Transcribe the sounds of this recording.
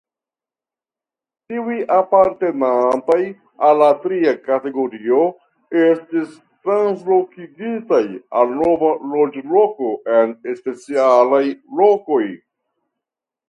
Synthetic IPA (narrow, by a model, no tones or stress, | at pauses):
tiujʔapaɾte̞nantaj | alːatɾiakate̞ɡo̞ɾio̞ | e̞stis | tɾanslo̞kiɡitajalno̞valo̞d͡ʒlo̞ko̞ʔe̞nespe̞t͡sialajlo̞ko̞j